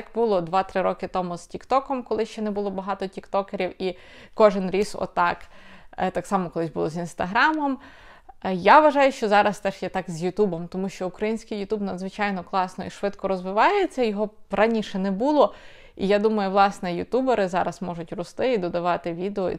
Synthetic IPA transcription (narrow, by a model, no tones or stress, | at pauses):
kbulˠɔd̪ʋɑt̪ɾɪɾɔkɪt̪ɔmuz̥tʲikt̪ɔkɔmkɔlˠɪʃt͡ʃɛnɛbʊlˠɔbɐɦɑt̪ɔtʲikt̪ɔkeɾʲiwi | kɔʒɪnɾʲisɔ̰t̪ɑkt̪ɑksɑmɔkɔlˠɪsʲbʊlˠɔzinst̪ɐɦɾɑmɔm | jaʋɐʒɑjʊʃt͡ʃɔzɑɾɐst̪ɛʃjɛt̪ɑkzjʊt̪ubɔmt̪ɔmuʃt͡ʃɔukɾɐjinʲsʲkɪjʊt̪ubnɐd̪zʋɪt͡ʃɑjnɔklˠɑsnɔiʃʋɪt̪kɔɾɔzʋɪʋɑjɛet͡sʲːɐjɔɦɔrɐnʲiʃɛnɛbulˠɔ | ijad̪umɐjʊʋlˠɑsnɛjʊt̪ubeɾɪzɑɾɐsmɔʒʊtʲɾʊst̪ɪid̪ɔd̪ɐʋɑt̪ɪʋʲid̪eɔḭ